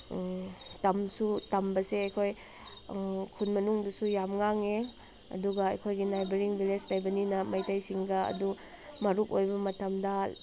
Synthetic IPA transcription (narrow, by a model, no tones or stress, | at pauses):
tɐmsutɐmbɐseɐjkʰoj | kʰunmɐnuŋdusujamŋaŋe | ɐ̰duɡɐːjkʰojɡinajbeɾiŋbilestajbɐninɐmɐjtajsiŋɡɐɐ̰du | mɐɾukojbɐmɐtɐmdɐ